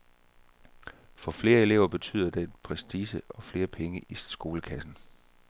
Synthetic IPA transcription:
fɒ̽fle̝ːɐe̝le̝ʊɐb̥e̝t͡sʰy̰ð̰ˠɐd̥e̥pʰʁɛsd̥iːsəɒ̽fle̝ːɐpʰeŋəʔisɡ̥o̝ːləkʰæsn̩

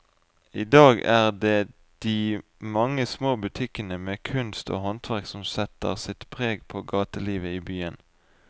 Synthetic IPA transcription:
iːd̪ɑːɡæːʁd̪eː | d̪̥iː | mɑŋːəsmoːbʉt̪ʰɪkənəmeːkʰʉnst̪o̰ːhɔnt̪ʰʋæʁksɔmsɛt̪ə̰ʁsɪt̪pʰʁeːɡpʰoːɡɑːt̪əliːʋəiːbyːən

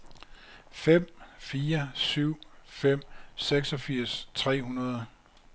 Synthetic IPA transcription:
fem̰fiːɐsyʊ̰fem̰seɡ̥sɒ̽fiɐ̰st͡sʰʁɛ̰ːɦunɐð̞ˠ

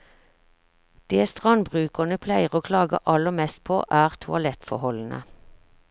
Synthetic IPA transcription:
d̪̥eːst̪ʁɑnbʁʉːkənəpʰlæɪʁoːkʰlɑːɡə̰ʔɑləmɛst̪̚pʰo̰ːʔæːʁt̪ʰʊɑlɛt̪fɔhɔln̩ə̰

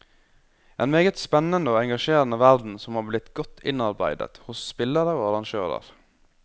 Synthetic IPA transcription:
ʔeːnmeːɡət̪spɛnənəoːɛŋɡɑʃeːɾənəʋæɾd̪n̩sɔmhɑːɾblɪt̪ɡɔt̪ʰːɪ̰nɑɾbæɪd̪ə̰t̪hʊsːpɪlːəɾəoːɑɾɑŋʃø̰ːɾə̰ɾ

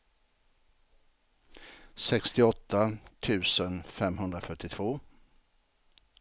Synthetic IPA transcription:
sɛkst̪ɪɔt̪ːat̪ʰʉ̟ːsənfɛmɦɵnd̪ɾafœʈːɪt̪ʰv̥oː

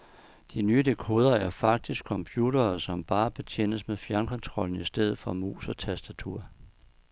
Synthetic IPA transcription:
d̥inyːəd̥e̝kʰo̝ːð̞ˠɐæɐfɑ̈ɡ̥̚d̥isɡ̥̚kʰɒ̽mpʰjuːdɐːsɒ̽mb̥ɑ̈ːb̥e̝t͡ɕʰjen̰əsmeðˠfjæɐnkʰɒ̽nt͡sʰʁɒ̽l̰n̩isd̥eð̞̰ˠð̩ˠfɒ̽mṵːsɒ̽t͡sʰæsd̥æt͡sʰuɐ̰

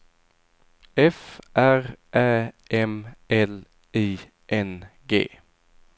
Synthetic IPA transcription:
ɛfʔæʁʔæːʔɛmʔɛl | ʔiː | ʔɛnɡḛː

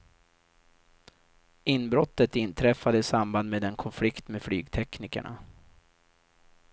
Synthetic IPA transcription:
ɪnːbɾɔt̪ːət̪ɪnt̪ʰɾɛfːad̪əɪsamband̪meːd̪ɛnkʰɔnflɪkt̪meːd̪fly̰ːɡt̪ʰɛknɪkə̰ɳa̰

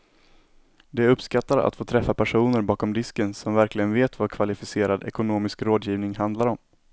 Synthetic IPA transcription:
d̪ɛɵpskat̪ːaɾa̰t̪foːt̪ʰɾɛfːapʰæʂuːnəɾbɑːkɔmd̪ɪskənsɔmvæɾklɪɡənveːt̪vakʰvalɪfɪseːɾad̪ɛ̰kʊnoːmɪskɾoːd̪jiːvnɪŋɦand̪laɾɔm

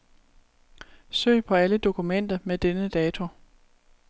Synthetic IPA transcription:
sø̰ːpʰɒ̽æləd̥o̝kʰumen̰d̥ɐmed̥enəd̥ɛːt͡sʰo̝

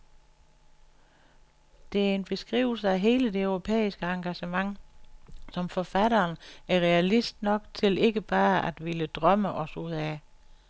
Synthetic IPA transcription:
d̥e̝æɐe̝nb̥e̝sɡ̥ʁḭːʊl̩səæɦe̝ːləd̥e̝øʊʁo̝pʰḛːisɡ̥əɑ̈ŋɡ̥æɕəmɑ̈ŋ | sɒ̽mfɒ̽fæɾɐːnæɐʁɛælisd̥nɒ̽ɡ̥̚t͡sʰe̝le̝ɡ̥əb̥ɑ̈ːæd̥ʋeləd̥ʁɶməʔɒ̽suð̰ˠæ

